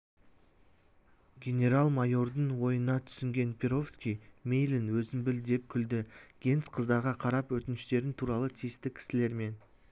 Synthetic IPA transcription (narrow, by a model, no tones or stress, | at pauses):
ɡʲe̞nʲe̞ɾalˠmajo̞ɾd̪əɴwo̞jənɑt̪ʰʏ̥sɪŋɡʲe̞npʰʲeɾo̞fskʲijmʲejlinwɵzɪmbɪld̪e̞p̚kʲʰʏld̪ɪɡ̥ʲe̞nsqʰəzd̪ɑɾʁɑqʰɑɾɑpwɵt̪ɪnɪʃt̪e̞ɾɪnt̪ʰuɾɑlˠət̪ʰijɪst̪ɪkʲʰɪ̥sɪle̞ɾme̞n